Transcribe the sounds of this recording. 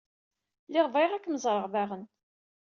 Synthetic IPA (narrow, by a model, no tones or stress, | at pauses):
lɪʁvajʁækːməzˤɾˤəʁvaʁən